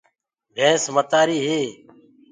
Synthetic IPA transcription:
bʱɛːsmət̪aːɾiːɦeː

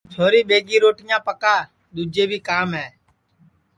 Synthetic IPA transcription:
t͡ʃʰoːɾiːɓeːɡiːɾoːʈɪjãːpəkaː | ɗ̪uːd͡ʒeːbʱiːkaːmɦɛː

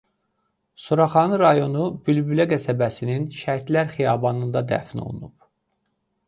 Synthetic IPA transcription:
suɾɑχɑnɯɾɑjo̞nub̥ylbylæɡæsæbæsininʃæɾt̪læɾχijɑbɑnɯnd̪ɑd̪æ̰fino̰lˠṵnub

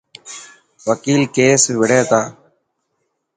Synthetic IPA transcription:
ʋəkiːlkeːsʋɪɽeːt̪aː

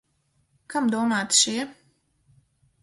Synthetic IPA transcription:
kamd̪uɔmaːt̪ʃiɛ

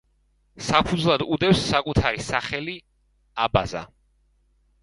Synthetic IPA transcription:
sapʰud̪zlˠad̪ud̪ɛpsːakʼut̪ʰaɾisaχɛli | aba̰za̰

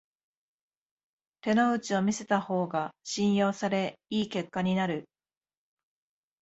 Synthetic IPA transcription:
t̪e̞no̞ɯ̟t͡ɕio̞mʲise̞t̪aho̞ːɡaɕĩɰ̃jo̞ːsaɾe̞iːke̞kːaɲ̟inaɾɯ̟

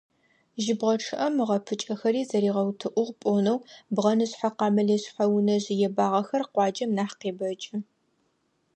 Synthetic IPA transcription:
ʒɪbʁɐʈ͡ʂʰɨʔɐmʁɐpʰɨt͡ʃʼɐxɐɾiːzɐɾiːʁɐwtʰɨʔʷʊʁpʷʼoːnɐwbʁɐnɨɕħaqɑːmɐleːɕħawʊnɐʑɪjɛbaːʁɐxɐrqʷɑːd͡ʒɐmnaːħqeːbɐt͡ʃʼɪ

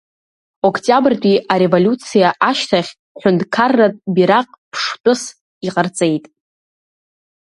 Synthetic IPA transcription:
okʰtʼjabrdʷʼiʔaɾe̞volʲut͡sʰijaʔaʃtʰaχʲ | ħʷᶣʊndkʰarːatʼbiɾaqʼpʰʂtʼʊs | iqʼərt͡sʼe̞jtʼ

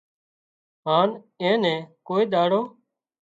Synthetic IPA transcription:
ɦaːn | ẽːnɛ̃ːkoːiːɗ̪aːɽoː

